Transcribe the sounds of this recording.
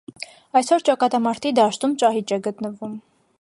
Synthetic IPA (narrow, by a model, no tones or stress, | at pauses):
ɑjsɔɾt͡ʃɑkɑt̪ɑmɑɾt̪ʰid̪ɑʃt̪umt͡ʃɑɦit͡ʃɛɡət̪nəvum